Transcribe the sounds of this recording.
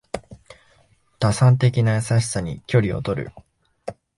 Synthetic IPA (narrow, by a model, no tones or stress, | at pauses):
t̪asãnt̪̬e̞k̬ʲinajasaɕi̥saɲ̟ḭkʲo̞ɾʲio̞̰t̪o̞ɾɯ̟̰